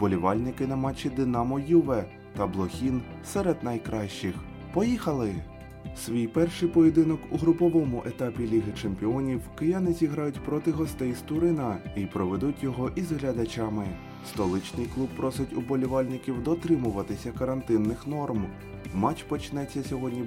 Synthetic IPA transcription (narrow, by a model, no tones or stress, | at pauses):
b̥ɔlʲiʋɑlʲnɪkɪnɐmɑt͡ʃːɪd̪ɪnɑmɔjuʋɛ | t̪ɐblˠɔxʲin | sɛɾɛd̪nɐjkɾɑʃt͡ʃɪx | pɔjixɐlˠɪ | sʲʋʲijpɛrʃɪjpɔjed̪ɪnɔkuɦɾʊpɔʋɔmʊʔet̪ɑpʲilʲiɦɪt͡ʃempʲiɔnʲiwkɪjanɪzʲiɦɾɑjʊtʲpɾɔt̪ɪɦɔst̪ɛjst̪ʊɾɪnɐipɾɔʋed̪utʲjɔɦɔʔizɦlʲɐd̪ɐt͡ʃamɪ | st̪ɔlˠɪt͡ʃnʲijklˠub̚pɾɔsɪtʲʊbɔlʲʊʋɑlʲnɪkʲiwd̪ɔt̪ɾɪmʊʋɐt̪ɪsʲɐkɐɾɐnt̪ɪnːɪxnɔrm | mɑt͡ʃpɔt͡ʃnɛt͡sʲːɐsʲɔɦɔdʲnʲi